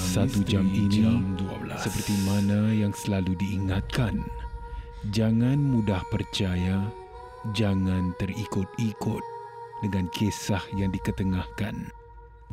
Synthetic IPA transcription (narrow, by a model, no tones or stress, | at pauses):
ssat̪ud͡ʒaminisəpərt̪imanajaŋsəlaludiːŋat̪̚kan | d͡ʒaŋanmudahpərt͡ʃaja | d͡ʒaŋãnt̪ərikʊt̪̚ikʊt̪̚dəŋãnkʰesahjaŋdikət̪əŋahkan